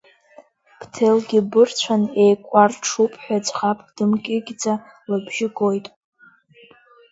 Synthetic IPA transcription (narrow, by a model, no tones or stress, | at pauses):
b̥ʰtʰelɡʲɪbɨrt͡ɕʷʰanejkʷʼarʈ͡ʂʰupʼħʷᶣad͡ʒχapʰʼd̥ɨmkʲʼɪɡʲd͡za | labʒɪɡojtʼ